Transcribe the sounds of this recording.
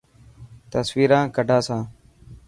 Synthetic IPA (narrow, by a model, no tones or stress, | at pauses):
t̪əsʋiːɾãːkəɖʱaːsãː